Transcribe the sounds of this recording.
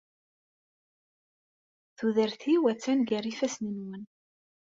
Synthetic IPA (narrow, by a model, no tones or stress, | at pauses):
θuðəɾθiwæt͡sːænɡæɾifæsninwən